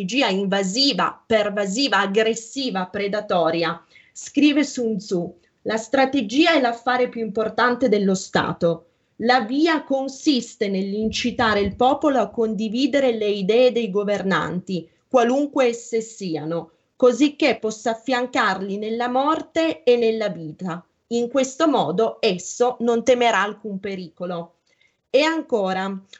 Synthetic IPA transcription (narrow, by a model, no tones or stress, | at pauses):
d͡ʒiːaiɱvaziːva̰pervaziːvaːɡɾesːiːvapɾed̪at̪ɔːɾja | skɾiːvesunzu | last̪ɾat̪ed͡ʒiːaɛlːafːaːɾepjuimport̪ant̪ed̪elːost̪a̰ːt̪o | laviːakonsist̪enelːint͡ʃit̪aːɾeilpɔːpoloakːond̪iviːd̪eɾeleid̪ɛːed̪ejɡoverna̰nt̪i | kwaluŋkweɛsːesiːano | kozik̟ːepːɔsːaːfːjaŋkarlinelːamɔrt̪eːnːelːaviːt̪a | iŋkwest̪omɔːd̪oɛsːonont̪emeɾaːlkumpeɾiːkolo | eaŋkoːɾa